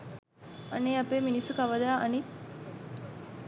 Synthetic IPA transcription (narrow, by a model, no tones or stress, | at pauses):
ɐneːɐpeːminisukɐʋɐd̪aːʔɐni